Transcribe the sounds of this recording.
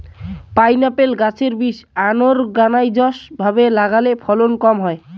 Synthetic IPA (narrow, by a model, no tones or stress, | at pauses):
pajnapelɡat͡sʰeɾbisanoɾɡanajd͡ʒɔsbʱabelaɡalepʰɔlonkɔmɦɔe